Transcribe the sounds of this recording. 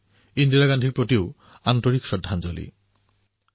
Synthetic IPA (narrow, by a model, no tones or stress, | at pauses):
ind̪ilaɡanɖʱiɾpɾot̪io | ant̪oɾiksɔdʱːand͡ʒolḭ